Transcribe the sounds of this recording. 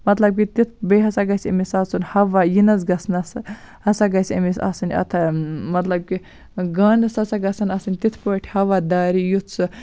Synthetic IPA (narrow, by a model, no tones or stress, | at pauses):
mɐt̪lɐb̚kit̪it̪ʰbɐɦɐsaɡɐsʲɐ̰misɐsunhɐʋajinɐz̬ɡɐsnɐs | hɐsaɡɐsʲɐ̰misɐ̰sɨnʲɐ̰t̪ʰɐmɐt̪lɐb̚ki | ɡaːnɨsɐsaɡɐsɐnɐsɨnʲt̪it̪ʰpoʈʰʲhɐʋad̪aːɾijut̪ʰsɨ